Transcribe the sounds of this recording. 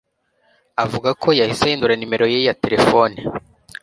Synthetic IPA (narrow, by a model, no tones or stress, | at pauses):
avuɡakʰo̞jahiseinduɾanime̞ɾo̞jejate̞ɾe̞fo̞ni